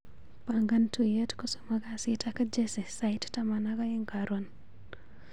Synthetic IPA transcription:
paŋɡantujetkɔsomaɡasitʰakad͡ʒesesajttamanaɡajeŋɡaɾon

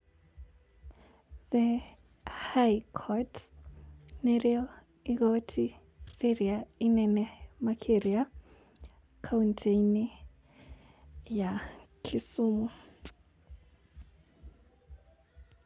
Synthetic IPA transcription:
ðɛ | hajkʰɔt | nɛriɔ | iɣotʰi | riɾiainɛnɛmakʰeɾia | kʰauntʰeni | jakʰisuːmu

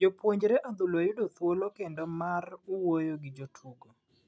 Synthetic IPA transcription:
d͡ʒopwoɲd͡ʒɾɛʔad̪ʊloajʊdot̪wolokendomaruwojoɡɪd͡ʒotʰuɡo

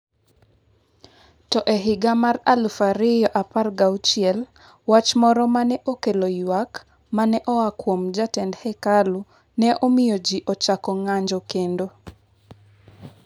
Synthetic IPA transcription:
tɔʔɛɦɪɡamaralfaɾɪjɔʔaparɡaut͡ʃiɛl | wat͡ʃmɔɾɔmanɛʔokelojwak | manɛʔɔakwomd͡ʒatɛndhɛkalu | nɛʔomɪjod͡ʒiʔɔt͡ʃakɔŋaɲd͡ʒɔkendo

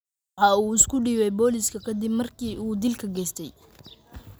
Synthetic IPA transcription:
ħɑːuːɪskʰʊɖiːβɛjbɔːlɪskʰɐkʰɐd̪ɪbmɐrkʰiːuːd̪ɪlkʰɐɡɛːst̪ʰɛj

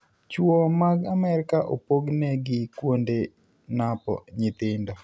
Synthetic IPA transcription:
t͡ʃwɔmaɡamɛɾɪkaʔo̰poɡnɛɡɪkwonde | napɔ̰ɲɪt̪ɪndɔ

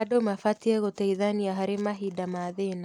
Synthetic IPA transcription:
adomafatiɛɣotaiðaniaɦaɾemaɦidamaðena

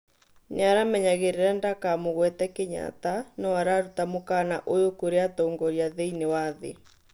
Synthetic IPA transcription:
ɲeaɾamɛɲaɣeɾeɾɛndakamoɣwɛtɛkeɲa̰tanɔwaɾaɾutamokanaʔojokoɾeatɔːŋɡɔɾiaðeinewaðḛ

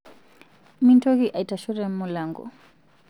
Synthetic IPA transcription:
mintɔɣiʔaitaʃɔɾɛm̩mulaŋɡɔ̰

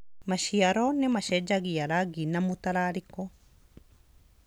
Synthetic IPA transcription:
maʃiaɾɔnɛmaʃɛd͡ʒaɡijaɾaɡinamut̪aɾaɾikɔ

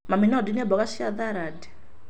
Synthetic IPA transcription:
maminadinɛbɔkaʃiaðaɾadɛ̥

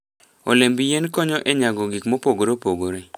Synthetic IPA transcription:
o̰lembijenkɔɲɔʔɛɲaɡɔɡɪkmopoɡoɾopoɡoɾe

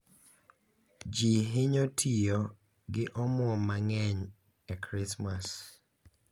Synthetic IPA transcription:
d͡ʒiɦɪɲotʰijɔ | ɡɪʔɔmwɔmaŋɛɲ | ɛkɾɪsmas

